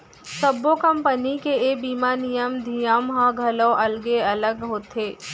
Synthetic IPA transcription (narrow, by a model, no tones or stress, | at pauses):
səbokɐmpənikeeːbiːmaːnijəmd̪ʱijəmɦə̃ɡʱɐləʔɐlɡeɐləɡɦoːt̪eː